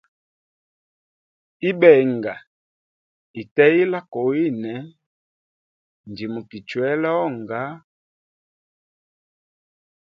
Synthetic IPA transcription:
i˦bɛ˨ŋɡa˨ | i˨tɛ˦i˦la˦ko˨i˦nɛ˨˦ | n˨d͡ʒi˨mu˨ki˨t͡ʃwɛ˦la˦ɔ˦˨ŋɡa˦

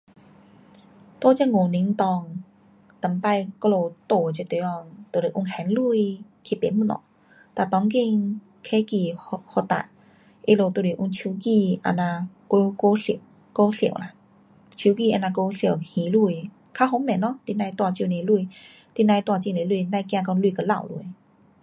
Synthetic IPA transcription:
t̪o˧t͡ɕɛ˧ŋo˨ni˧˦ŋt̪ɔ˧ŋ | t̪ə˨˩mpa˧jkɔ˧lo˧t̪o˧˩˨t͡ɕɛ˧˨t̪e˨˧˦ɔ˧˩t̪o˧˨˩le˨˩ʔu˧ŋhɛ˨˦nlu˧˨j | kʰi˧˨pe˨˦mu˧˨lɔ̰˧˨˦ | t̪a˧˩t̪ɔ˧˦ŋki˧ŋ | kʰe˧˥˦ki˧ho˧t̪a̰˧˨ | ʔe˧˦lo˧t̪o˧˩li˨ʔu˧ŋt͡ɕʰu˧˦ki˧ʔa̰˧˩na˧ko˧ko˧˦ɬi˧˨ | ko˧ɬḭ˧˨ə˨wla˧˨ | t͡ɕʰu˧˦ki˧˨ʔɛ˧˩na˧ko˧ɬi˧˨whĩ˨˦lu˧˨j | kʰa˧˦ɦo˧˦mɛ̃˨˩nɔ˧˥˦t̪i˧˨nã˧jt̪wa˧t͡ɕi˧˨ne˨˧˦lu˧˨ | t̪i˧nã˧jt̪wa˧t͡ɕi˧˨ne˨˧˦lu˧˨na˧jkjã˧kɔ˧lu˧˨kə˧˦la̰˧˨wlṵ˧˨

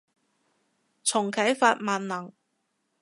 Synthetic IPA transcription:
t͡sʰʊ˨˩ŋkʰɐ˨˥jfaː˧t̚maː˨nlɐ˨˩ŋ

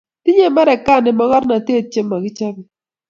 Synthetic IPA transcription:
ti˦ɲe˦˨ma˦ɾɛ˨ka˦˨nɛ˨ma˨˦kɔ˦ɾna˨te˦˨t͡ʃe˦mːa˨kɪ˦t͡ʃa˦bi˨

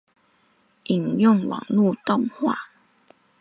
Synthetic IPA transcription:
ʔi˨ŋjɔ˥˨ŋwa̰˨˩ŋlu˥˨t̪ɔ˥˨ŋhwa̰˥˨

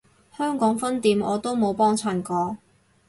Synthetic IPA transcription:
hœː˥ŋkɔː˨˥ŋfɐ˥nt̪iː˨˧mɔː˨˧t̪o˥wmo˨˧wpɔː˥ŋt͡sʰaː˨˩nkɔː˧

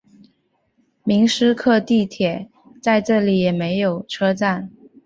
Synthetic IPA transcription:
mi˧˥ŋʂɻ̩˥kʰɤ˥˧t̪i˥˩t̪ʰjɛ˨˩˦ | t͡sa˥˧ɪʈ͡ʂɤ˥˩li˨˩jɛ˨˩me˧˥ɪjo˨˩ʊʈ͡ʂʰɤ˥t͡sa˥˩n

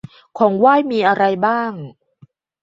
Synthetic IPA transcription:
kʰɔː˩˦ŋwaː˥˩jmiː˧ʔa˧ɾa˧jbaː˥˩ŋ

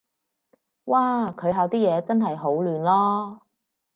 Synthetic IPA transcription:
waː˥˩kʰɵ˨˧ɥɦaː˨˧wt̪iː˥jɛː˨˧t͡sɐ˥nɦɐ˨jɦo˨˥wlyː˨˧nlɔː˥

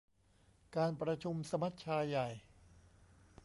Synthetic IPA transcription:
kaː˧npɾa˧t͡ɕʰu˧msa˧ma˦˥t̪̚t͡ɕʰaː˧jːa˨˩j

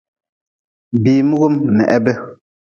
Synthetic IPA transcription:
biː˨mu˦ɣo˦mnɛ̰˨ʔɛ˦bɛ˦

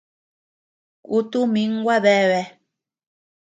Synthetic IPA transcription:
ku˦t̪u˦mĩ˨˦ŋ˦ɡwa˦βɛ˦˨βɛ˧

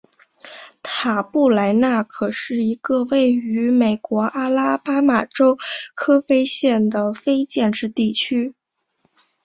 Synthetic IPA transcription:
t̪ʰa˨˩pu˥˩la˧˥ɪna˥˩kʰɤ˨˩ʂɻ̩˥˩i˧˥ɡ̥ə˧we˥˩ɪy˧˥me˨˩ɪkwɔ˧˥ʔa˥la˥pa˥ma˨˩ʈ͡ʂo˥ʊkʰɤ˥fe˥ɪɕjɛ˥˩nd̪ə˩fe˥ɪt͡ɕjɛ˥˧nʈ͡ʂɻ̩˥˧t̪i˥˩t͡ɕʰy˥

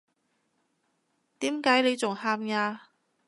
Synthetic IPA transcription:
t̪iː˨˥mkaː˨˥jle˨˧jt͡sʊ˨ŋhaː˧mŋaː˧

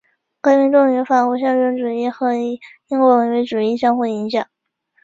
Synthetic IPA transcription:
kɤ˧˥mi˧˥ŋʈ͡ʂʊ˥˩ŋy˧˥fa˨˩xu˧˥˩ɕjɑ˥ŋɻə˥nʈ͡ʂu˨˩i˥˩xɤ˧˥i˧˥˩i˥ŋkwɔ˧˥wə˧˩we˧˥ɪʈ͡ʂu˨˩i˥˧ɕjɑ˥ŋxu˥˩i˧˥ŋɕjɑ˨˩˦ŋ

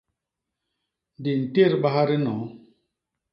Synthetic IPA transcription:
n˨di˨n̩˨te˦˨ɾba˦ha˦ɾi˦nɔ˨˦

